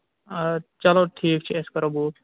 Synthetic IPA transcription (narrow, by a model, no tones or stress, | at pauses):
t͡ʃɐloʈʰiːkt͡ʃʰiɛskɐɾɐbuː